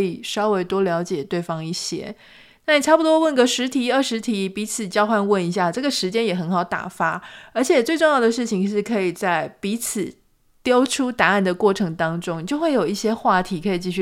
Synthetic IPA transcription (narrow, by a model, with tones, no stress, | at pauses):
i˨˩ʂɑ˥ʊwe˧˥˩ɪt̪wɔ˥ljɑ˧˥ʊt͡ɕjɛ˨˩t̪we˥˩ɪfɑ˥ŋi˥˩ɕjɛ̰˥ | na˥˩ni˨˩ʈ͡ʂʰa˥˩pu˨˩t̪wɔ˥wə˥˩nɡə˩ʂɻ̩˧˥t̪ʰi˧˥ə˥˩ʂɻ̩˧˥t̪ʰi˧˥pi˧˥t͡sʰɹ̩˨˩t͡ɕjɑ˥˧ʊxwa˥˧nwə˥˩ni˧˥ɕja˥˧ʈ͡ʂɤ˥˩ɡə˩ʂɻ̩˧˥t͡ɕjɛ˥njɛ˨˩xə˧˥nxɑ˨˧˩ʊt̪a̰˨˩fa˥ə˞˧˥t͡ɕʰjɛ˨˩t͡swe˥˧ʈ͡ʂʊ˥˧jɑ˥˩ʊd̪ə˩ʂɻ̩˥˩t͡ɕʰi˨˩ŋi˧˥ʂɻ̩˥˩kʰɤ˧˥i˨˩t͡sa˥˩ɪpi˧˥t͡sʰɹ̩˨˩ | t̪jɑ˥ʊʈ͡ʂʰu˥t̪a˧˥a˥˩nd̪ə˩kwɔ˥˩ʈ͡ʂʰɤ˧˥ŋt̪ɑ˥ŋʈ͡ʂʊ˥ŋi˨˩t͡ɕjo˥˧ʊxwe˥˩ɪjo˨˩ʊi˥˩ɕjɛ˥xwa˥˩t̪ʰi˧˥kʰɤ˧˥i˨˩t͡ɕi˥˧ɕy˥˩